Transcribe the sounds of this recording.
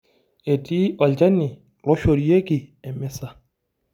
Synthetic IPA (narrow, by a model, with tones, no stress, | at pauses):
e˨tʼi˦ɔ˨ld͡ʒa˦nɪ˨ | lɔ˦ʃo˨ɾi˨˦e˦kʼɪ˨ɛ˨mɛ˦sa˨